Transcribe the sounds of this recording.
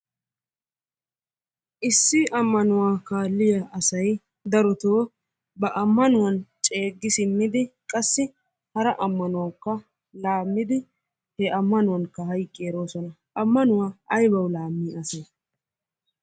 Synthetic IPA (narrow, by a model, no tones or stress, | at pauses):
ʔɪsːɪʔɐmːɐnʊwaːkaːlːɪjɐʔɐsɐj | d̪ɐɾɔt̪oː | bɐʔɐmːɐnʊwɐnt͡ʃʼe̞ːɡːɪsɪmːɪd̪ɪkʼɐsːɪ | hɐɾɐʔɐmːɐnʊwɐkːɐ | laːmːɪd̪ɪ | hɛʔɐmːɐnʊwɐŋkːɐɦɐjkʼːeːɾo̞ːsɔnɐ | ʔɐmːɐnʊwaːʔɐjbɐwlaːmːiːʔɐse